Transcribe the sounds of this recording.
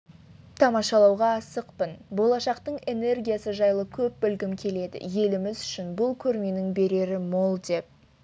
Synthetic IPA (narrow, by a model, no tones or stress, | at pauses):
t̪ʰɑmɑʃɑlˠɑwʁɑːsəqpənbo̞lˠɑʃɑqt̪əɴe̞ne̞rɡʲijasəʒɑjlˠəkʲʰɵp̚ːʏlɡʲɪmkʲʰe̞le̞d̪ɪ̰je̞lɪmɪzʏʃɪnbʊlˠkʲʰɵɾme̞nɪŋbe̞ɾe̞ɾɪmo̞lˠd̪e̞p̚